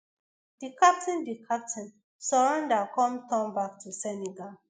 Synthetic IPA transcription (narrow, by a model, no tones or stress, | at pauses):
d̥ikap̚tĩndikʰap̚tĩn | sɔɹãndakɔ̃mtɔ̃mbak̚tʰusɛniɡal